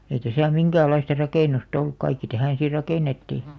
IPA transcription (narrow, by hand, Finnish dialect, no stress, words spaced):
ei tæsæˑ miŋkæːlˑɑistɑ rɑkeˑnust olːuk kɑikːi tæhæˑn̞ si rɑkeˑnetːiˑ